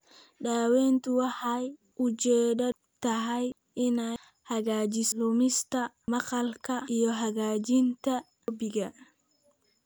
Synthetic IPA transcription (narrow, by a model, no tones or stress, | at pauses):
ɖaːwɛːnt̪ʰʊwɑħɑj | ʔʊt͡ʃɛːdɐ | t̪ʰɐɦɛj | ɪnɛ | hɐɣaːt͡ʃɪslʊmɪst̪ʰɐ | mɑqɑlkʰɐʔijɞɦɐɣaːt͡ʃɪnt̪ʰɐ | bɪɣɐ